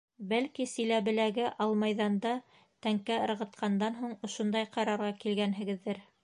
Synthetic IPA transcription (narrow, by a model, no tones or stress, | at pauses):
bælkisĭlæβɘ̆læɡɘʔɑlˠmɑjðɑnd̪ɑ | t̪æŋkæɤ̆ɾʁɤ̆t̪̚qʰɑnd̪ɑnɦuɴŏʃond̪ɑjqɑɾɑɾʁɑkilɡænɦɘ̆ɡɘ̆ðːɘɾ